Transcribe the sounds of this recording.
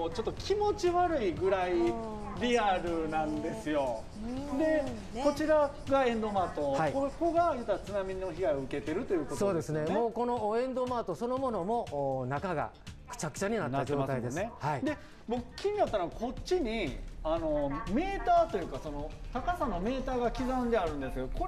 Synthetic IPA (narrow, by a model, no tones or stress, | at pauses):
ot͡ɕo̞t̪ːokʲʰimo̞t͡ɕiβaɾɯ̟iɡɯ̟ɾai | ɾʲiaɾɯ̟nãnd̪e̞sɨjo̞ | d̪e | o̞t͡ɕiɾa | ɡaẽ̞nd̪o̞maːt̪ohaiokoɡajɯt̪aat͡sɨnamʲiɲino̞çiɡaioɯ̟ke̞t̪e̞ɾɯ̟t̪o̞jɯ̟ːkoso̞ːd̪e̞sɨne̞moːko̞no̞ẽ̞nd̪o̞maːt̪o̞so̞no̞mo̞no̞mo̞ːnakaɡa̰ | kɯ̟̥t͡ɕakɯ̟̥aɲ̟inat̪ːad͡ʑo̞ːt̪aid̪e̞snɨehaid̪e̞ | bokɯ̥kʲːiɲ̟inat̪ːanoɡako̞t͡ɕːiɲ̟iano̞me̞ːt̪aːt̪o̞jɯ̟ːkaso̞no̞t̪akasanome̞ːt̪aːɡakʲizãnd̪e̞aɾɯ̟̃nd̪e̞sked̪oko